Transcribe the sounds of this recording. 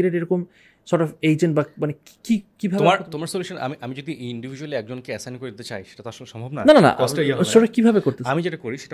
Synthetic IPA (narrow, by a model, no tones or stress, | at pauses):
iɾeɾeɾɔkom | sɔɾʈɔfejd͡ʑenʈbamaneki̥kikibʱab̪omaɾt̪omaɾsoljuʃona̰miʔamid͡ʑod̪iʔiɳɖivʱid͡ʑualiɛk̚d͡ʑonkeɛsankoɾed̪it̪et͡ɕa̰jʃe̥ʈat̪aɾʃonʃɔmbʱobnananana̰ʔɔsejasɔʈɔkibʱabekoɾtt̪eamid͡ʑeʈakoɾiʃeʈa